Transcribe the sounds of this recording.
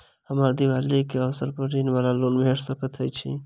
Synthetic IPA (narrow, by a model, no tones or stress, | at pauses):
həmaːɾd̪iwaːlikeɔsəɾpəɾinbaːlaloːnbʱeʈsəkət̪ɦəjt͡ʃʰḭ